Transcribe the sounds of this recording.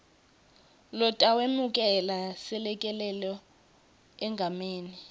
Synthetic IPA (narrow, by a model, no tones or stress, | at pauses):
lɔtʼawemuk̬ʼɛlasɛlɛkʼɛlɛlɔ | ɛŋɡʱameːni